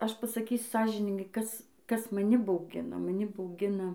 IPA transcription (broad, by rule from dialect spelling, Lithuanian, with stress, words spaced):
ˈɐʃ pɐsɐˈkʲiːsʲʊ ˈsɑːʒʲɪnʲɪŋɡɐɪ ˈkɐs ˈkɐs mɐˈnʲɪ bɐʊˈɡʲɪnɐ mɐˈnʲɪ bɐʊˈɡʲɪnɐ